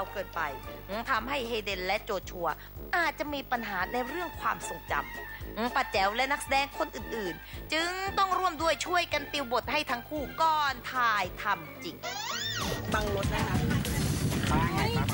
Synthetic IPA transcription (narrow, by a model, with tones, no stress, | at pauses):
a˧wkɤː˧˩npa̰˧jʔ̩˧˦ŋt̪ʰa˧mɦa˥˩jɦeː˧de˧nlɛ˦˥ʔt͡ɕoː˨˩t̪̚t͡ɕʰu˧ɐ | ʔaː˨˩t̪̚t͡ɕa˨˩ʔmiː˧pa˧nɦaː˩˦na˧jɾɯ˥˩əŋkʰwa̰ː˧mso˨˩ŋt͡ɕa̰˧˩mʔɯ˧˩pa˨˩t̪̚t͡ɕɛ˩˦wlɛ˦˥na˦˥k̚sa˧dɛː˧ŋkʰo˧nʔɯː˨˩nʔɯː˨˩nt͡ɕɯ˧˥ŋt̪ɔ˥˩ŋɾu˥˩əmdu˥˩əjt͡ɕʰu˥˩əjka˧nt̪i˧wbo˨˩t̪̚ha˥˩jt̪ʰa˦˥ŋkʰuː˥˩kɔː˧˥˩nt̪ʰaː˧jt̪ʰa˧mt͡ɕi˨˩ŋ | ba˧ŋmo˧t̪̚a˦˧˩a˥˧˩a˧˩˦